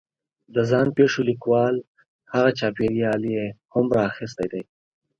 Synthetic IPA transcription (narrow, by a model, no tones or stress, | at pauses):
d̪əzɑːnpeʂolikwɑːl | haɣat͡ʃɑːpeɾiɑːlijehʊmɾɑːxɪs̬t̪ajd̪ej